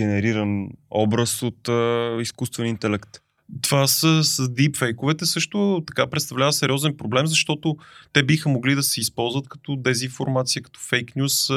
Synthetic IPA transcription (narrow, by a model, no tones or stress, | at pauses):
ɛnɛɾiɾənɔ̰bɾəsot̪iskust̪vɛnint̪ɛlɛkt̪ | t̪ovasəsəd̪ipfɛjkʊvɛt̪ɛsɤʃt̪ʊt̪ɐkapɾɛt̪st̪ɐvlʲavəsɛɾʲiɔzɛnpɾoblɛmzɐʃt̪ɔt̪ʊt̪ɛbixəmoɡlid̪ɐsɛispɔlˠzvət̪kɐ̥t̪ɔd̪ɛzinfoɾmat̪siəkɐ̥t̪ɔ̥fɛjknʲus